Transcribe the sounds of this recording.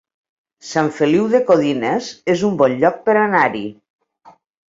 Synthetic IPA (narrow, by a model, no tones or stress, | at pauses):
saɱfeliwðekoðinezezumbɔnʎɔk̚peɾanaɾi